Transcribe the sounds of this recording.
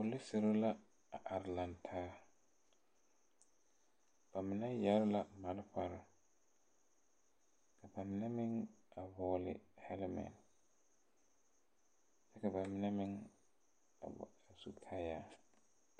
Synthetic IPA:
ʊ˨lɪ˦sɪ˨ɾo˦la˦ | a˨ʔa˨ɾlã˨ntʰaː˦ | b̥a˨mɪ˨na˦ja˨˦ɾla˨ma˨lɸa˨ɾɪ˨ | kʰa˨ba˨mɪ˨na˦mɪ̃˦ŋ | a˨vɔː˨˦lɪ̰˨hɛ˦lmɛ̰̃˨n | t͡ʃɛ˦ka˨ba˨mɪ˦na˦mɪ̃˦ŋ̰˨ | a˨su˨kʰa˦jaː˦

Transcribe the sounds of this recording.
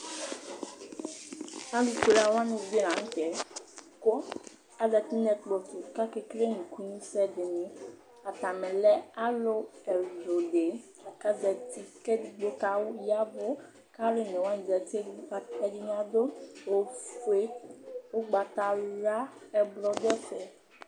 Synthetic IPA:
ã˦lu˨ke˨la˨wa˦nũ˨be˦nã˨ŋ̩̃˦tɛ˨ko˦ | a˦dɛ˨t̪i˦nɛ˦tk͡pɔ˨tu˨ka˦ke˦kɾe˦nũ˨ku˦nũ˦sɛ˦de˨nĩ˨˦ | a˨t̪a˨mɛ̃˨lɛ˦a˦lo˦ɛ˨do˨ɖe˨ | a˨ka˦dɛ˨ti˦kɛ˦di˨ɡ͡bo˦ka˦wo˦ja˦bo˦ | ka˦le˦nɛ̃˨wa˦ñ˨dɛ˨t̪i˦e˦a˦ɛ˦di˦ɲ̃˦ã˦d̪o˦wo˦fu˦e˦wo˦ɡ͡ba˨t̪a˨ɾa˦ɛ˨blɔ˦d̪ɛ˦fɛ˨

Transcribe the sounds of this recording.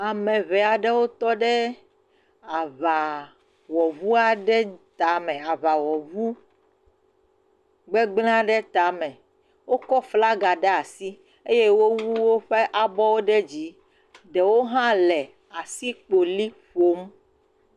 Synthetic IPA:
a˨mɛ̃˨βɛ˨a˨ɖɛ˦wo˦t̪ɔ˦ɖɛ˦ | a˨va˨ | wɔ˨vu˦a˨ɖɛ˦t̪a˨mɛ̃˨a˨βa˨wɔ˨vu˦ | ɡ͡bɛ˦ɡ͡bl̃ã˦ɖɛ˦t̪a˨˦mɛ̃˨ | wo˦kɔ˦fla˦ɡa˨ɖɛ˦a˨si˦ | e˦je˦wo˦wu˦wo˦ɸe˦ʔa˨bɔ˦wo˦ɖɛ˦d͡ʑi˨˦ | ɖɛ˨wo˦ɦã˦lɛ˨ | a˨si˦k͡po˨li˦ɸo˦m

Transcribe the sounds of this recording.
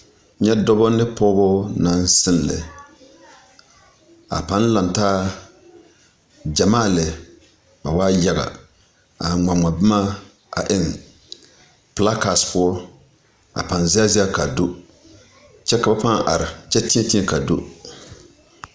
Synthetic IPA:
ɲɛ˦dɔ˦bɔ˦nɨ˦pɔː˦bɔ˦na˨n˦sɨ˦nlɪ̰˨ | a̰˨pa˦n˦la˨ntaː˦ | d͡ʒa˨maː˦˨lɨ˨ | ba˨waː˦ja˦ɡa̰˨ | a˨ŋ͡ma˨ŋa˨bɨ˦maː˦ | ʔa̰˨ʔɪ˦n | pla˦ka˨spʊ˦ɔ˦ | a̰˨pa˨nzi˦a˦zi˦a˦ka˨du˦ | t͡ʃɛ˦ka˨ba˦pa˦ŋʔa̰˨ɾɪ˨t͡ʃɛ˦tɪ˦ɛ˦ti˦ɛ˦ka˨do̰˦

